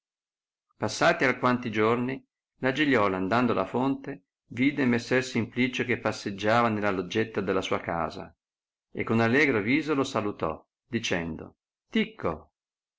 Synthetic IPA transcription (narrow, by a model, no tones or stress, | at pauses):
pasːaːt̪iakwant̪id͡ʒorni | lad͡ʒiʎːɔːland̪and̪olʔa̰font̪e | viːd̪emesːɛrsimplit͡ʃokepːasːed͡ʒːaːvanelːalod͡ʒːet̪ːad̪elːasuːaka̰ːza̰ | ekːonalːɛːɡɾoviːzolosalut̪ɔ̰ | d̪it͡ʃɛnd̪o̰ | t̪ikʰːo